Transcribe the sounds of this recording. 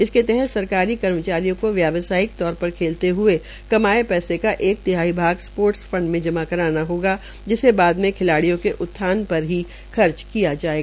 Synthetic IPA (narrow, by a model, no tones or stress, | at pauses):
ɪsket̪ɛɦɛt̪sɐɾkaːɾikɐɾmət͡ʃaːɾijõkoʋjaːʋsaːɪkt̪ɔːɾpɐɾkʰeːlt̪eɦʊe | kɐmaːepɛːsekaʔeːk̚t̪ɪɦaːibʱaːɡspoːɾʈsfɐ̃ɳɖmẽd͡ʒɐmakɐɾaːnaɦoːɡa | d͡ʒɪsebaːd̪mẽkʰɪlaːɽijõkeʔʊt̪ʰːaːnpɐɾɦi | xɐɾt͡ʃkijad͡ʒaːeɡaa